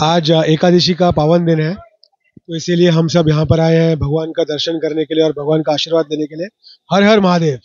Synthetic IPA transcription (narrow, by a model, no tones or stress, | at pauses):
aːd͡ʒeːkaːd̪iːʃikapaːʋənd̪ɪnɦɛ | t̪oɪsilieɦɐmsɐbjɐɦãpɐɾaːeɦɛ̃bʱɐɡʋaːnkad̪ɐɾʃənkɐɾnekelieɔːɾbʱɐɡʋaːnkaaːʃiːɾʋaːd̪leːnekelie | hɐɾɦɐɾmɐɦaːd̪eːʋ